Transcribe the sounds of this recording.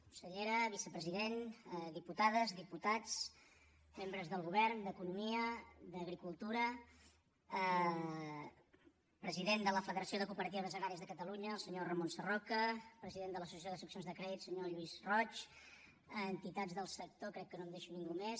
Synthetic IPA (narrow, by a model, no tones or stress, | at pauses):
ku̥nsəʎeɾəβisəpɾəziðenðiput̪aðəzðiput̪at͡s | membɾəzðəlˠɣuβɛrnd̪əkunumiəd̪əɣɾikulˠt̪uɾə | pɾəziðend̪ələfəðəɾəsioðəkupəɾət̪̬iβəβəzəɣɾaɾiəzðəkət̪əluɲəlˠsəɲorəmonsərɔkəpɾəziðend̪ələsusiəs̬joðəsəksionzðəkɾɛðitsəɲoʎuizrɔt͡ʃː | nt̪it̪ad͡zðəlˠsək̚t̪okɾɛkːənomd̪eʃuniŋɡumes